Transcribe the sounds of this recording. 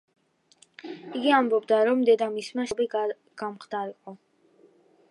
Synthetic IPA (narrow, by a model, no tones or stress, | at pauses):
iɡiambɔbd̪aɾɔmd̪ɛd̪amismaʃɔbi | ɡ̥amχd̪aɾiqʼɔ